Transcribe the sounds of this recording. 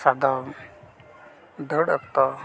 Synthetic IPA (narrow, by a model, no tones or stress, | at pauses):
sad̪ɔ | d̪əɽək̚t̪ɔ